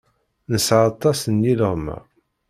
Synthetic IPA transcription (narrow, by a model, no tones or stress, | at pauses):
nəsʕat̪ˤːɑsənjiləʁmæ̰